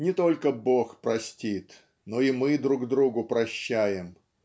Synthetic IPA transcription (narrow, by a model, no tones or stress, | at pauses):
nʲɪt̪o̞lʲkəbo̞xpɾɐsʲtʲit̪ | noimɨd̪ɾuɡd̪ɾuɡʊpɾɐɕːæjɪm